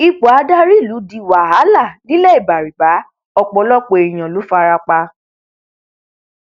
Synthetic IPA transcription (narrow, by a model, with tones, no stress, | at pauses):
i˧k͡po˨a˧da˦ɾi˦˨lu˨˦di˧˦wa˨ɦa˨˦la˦˨nĩ˦le˦i˦˨ba˨ɾi˨k͡pa˨˦ | ɔ˧k͡pɔ˧˦lɔ˦k͡po˧e˨j̃ã˨lu˨˦fa˧˦˧ɾa˧k͡pa˧